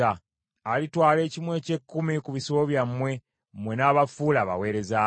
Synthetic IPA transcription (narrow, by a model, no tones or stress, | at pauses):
aː | litwaːle̞ːcimwe̞ːce̞kːumikuβisooβjamwe̞ | mwe̞naːβafuːlaːβa̰we̞ːɾe̞za